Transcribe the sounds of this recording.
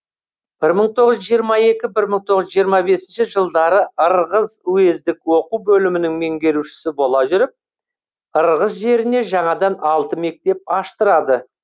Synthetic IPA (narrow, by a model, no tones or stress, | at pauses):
b̥ɪɾməɴt̪ʰo̞ʁəzʒijəɾmɑe̞kʲɪbɪɾməɴt̪ʰo̞ʁəzʒijəɾmɑbe̞sɪnʃɪʒəlˠd̪ɑɾəəɾʁəzuwe̞zd̪ɪkwo̞quwbɵlɪmɪnɪŋme̞ŋɡʲe̞ɾuʃɪ̥sɪbo̞lˠɑʒʏɾɪp̚ | əɾʁəzʒe̞ɾɪne̞ʒɑɴɑd̪ɑnɑlˠt̪əme̞k̚t̪e̞p̚ɑʃt̪əɾɑd̪ə